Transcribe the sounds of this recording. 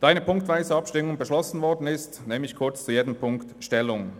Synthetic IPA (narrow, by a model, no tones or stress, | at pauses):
d̥ɑːaɪnəpʰʊŋktv̥aɪzəɑpʃtɪmʊŋbəʃlɔsn̩vɔʁdn̩ɪstnɛːmɪçkʰʊɐt͡st͡sujeːdəm̩pʰʊŋktʃtɛlʊŋ